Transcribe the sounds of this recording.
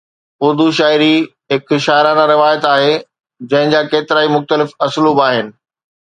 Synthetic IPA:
ʊɾd̪uʃaːɪɾi | ɦɪkʃaːɪɾaːnaɾɪʋaːjət̪aːɦe | d͡ʑɐ̃ɦɪ̃ɲd͡ʑaːkeːt̪ɪɾaːimʊxt̪əlɪfɐsluːbaːɦɪnɪ̆

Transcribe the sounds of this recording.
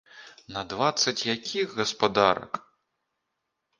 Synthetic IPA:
nɐd̪vat̪sːɐt͡sʲjakʲʰiɣɣɐspad̪aɾɐ̰k

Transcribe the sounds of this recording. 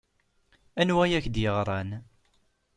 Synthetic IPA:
ænwæjæçd̪jəʁɾˤɑn

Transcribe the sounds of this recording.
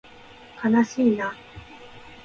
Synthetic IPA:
kʰanaɕiːna

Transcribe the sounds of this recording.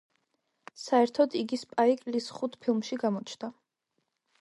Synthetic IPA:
saɛɾt̪ʰɔd̪iɡispʼaikʼlisχut̪ʰpʰilˠmʃiɡamɔt͡ʃʰd̪a

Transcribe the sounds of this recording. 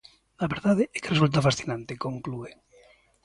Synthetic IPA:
laβeɾðaðeɛkeresult̪afasθinãnt̪ekõŋklue

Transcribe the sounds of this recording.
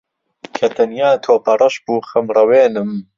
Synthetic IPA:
kʰɐt̪ʰɐnjaːt̪ʰoːpʰɐrˤʔɐʃbuːxɐmrɐweːnɨm

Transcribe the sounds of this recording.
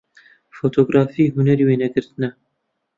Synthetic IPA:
foːt̪ʰoːɡɾɑːfiːɦunɛɾiweːnɛɡɨɾt̪ɨnɛ

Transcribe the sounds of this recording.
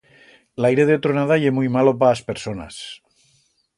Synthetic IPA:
lajɾeðeot̪ɾonað̞ajemujmalop̬aːspeɾsona̰s

